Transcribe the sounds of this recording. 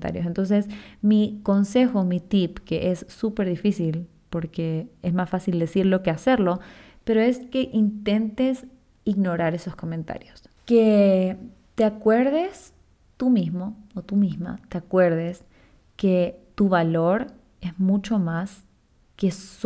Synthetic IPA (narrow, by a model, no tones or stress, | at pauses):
t̪a̰ɾjos̬ent̪o̞ns̬esmiko̞nse̞xomit̪ipke̞ʔesːupe̞ɾðifisil | po̞ɾkeesmasfasild̪e̞siɾlo̞kease̞ɾlo̞ | pe̞ɾoe̞ske̞ʔint̪e̞nt̪es | iɣno̞ɾaɾe̞so̞sko̞mẽnt̪a̰ɾjos | ke | t̪eakwe̞ɾðes | t̪umizmo̞ot̪umizma̰t̪eakwe̞ɾðes | ke̞t̪uβalo̞ɾ | esmut͡ʃo̞mas | kes